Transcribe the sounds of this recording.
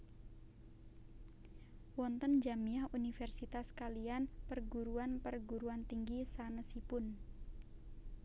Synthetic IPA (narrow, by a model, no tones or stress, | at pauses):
wɔnt̪ənd͡ʒamiahunifɛrsit̪askalianpərɡuɾuanpərɡuɾuant̪iŋɡisanəsipʊn